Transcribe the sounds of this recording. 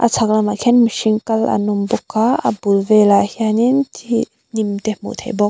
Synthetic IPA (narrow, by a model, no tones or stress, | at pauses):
ʔa̰t͡sʰak̚lamaʔkʰɛnmiʃiŋkɐlʔa̰numbɔkʰːaɐ̰bulvɛlahianintʰi | nimt̪ɛmṵt̪ʰḛjbɔk̚